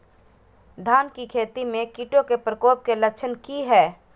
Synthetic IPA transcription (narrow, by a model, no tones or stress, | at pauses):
d̪ʱaːnkikʰeːt̪imẽkiʈokepɾəkoːp̚kelɐkt͡ʃʰənkiɦɛː